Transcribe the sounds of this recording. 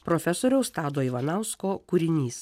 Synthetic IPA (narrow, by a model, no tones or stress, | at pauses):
pɾoːfʲɛsoːɾʲɛʊsst̪ɑːd̪oːiʋɐnɑˑʊskoːkuɾʲɪnʲiːs